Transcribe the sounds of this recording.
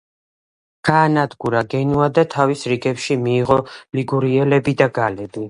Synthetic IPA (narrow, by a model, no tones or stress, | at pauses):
ɡ̥aːnad̪ɡuɾaɡɛnuad̪at̪ʰavisɾiɡɛpʃimiːʁɔliɡuɾiɛlɛbid̪aɡalɛbi